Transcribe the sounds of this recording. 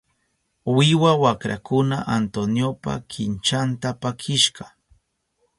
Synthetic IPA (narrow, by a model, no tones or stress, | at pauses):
wɪwawakɾa̰kʊna̰ʔant̪onjopa̰kʰɪnt͡ʃant̪apakʰɪʃɢɑ